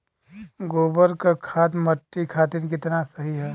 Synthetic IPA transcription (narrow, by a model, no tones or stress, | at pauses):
ɡoːbəɾkakʰaːt̪mɐʈːikʰaːt̪ɪɾk̬ɪt̪nasɐɦiɦɛː